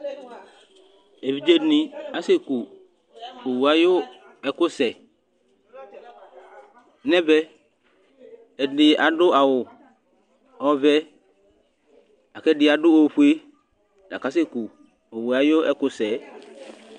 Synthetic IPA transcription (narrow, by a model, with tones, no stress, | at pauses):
e˨vi˨˦d͡ʒe˦nĩ˨a˦sɪ˦ku˨ | o˨wu˨a˨jo˦ | ɛ˨kʊ˦sɛ˨˦ | nɛ̃˦bɛ˦ | ɛ˨dɪ˨a˨ɖʊ˦ʔa˨wʊ˨ | ɔ˦vɛ˦ | a˨kɛ˦ɖɪ˨˦a˨ɖʊ˦o˦ɸʊ˦e˦ | da̰˨ka˨˦s̬e˦ku˨ | o˨wu˨a˨jo˦ɛ˦kʊ˦sɛ˨˦